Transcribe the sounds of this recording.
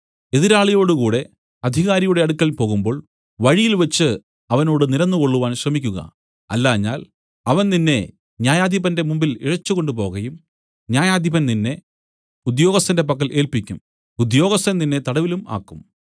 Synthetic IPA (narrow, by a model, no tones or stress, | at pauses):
e̞ðiɾaːɭijo̞ːɽukuːɽe̞ | ɐd̪ʱiɣaːɾɐjuɽe̞ɐɽukːɐɭipo̞ːɣumbo̞ːɭ | ʋɐɻijilʋɐt͡ɕːɨ | ɐʋɐno̞ːɽɨniɾɐnːuko̞ɭːuʋaːnɕrɐmikʲːuɣɐ̰ | ɐ̰lːaːɲːa̰ːl | ɐʋɐnninːe̞ | ɲjaːjaːd̪ʱjibɐnde̞mumbiliɻɐt͡ɕːuɣo̞ɳɖup̬o̞ːɣɐjum | ɲaːjaːd̪ʱjiβɐnninːe̞ | ud̪jo̞ːɣɐst̪ːɐnde̞p̬ɐkːɐlʔe̞ːlpikʲːum | ud̪jo̞ːɣɐst̪ɐnninːe̞t̪ɐɽɐʋiluma̰ːkːum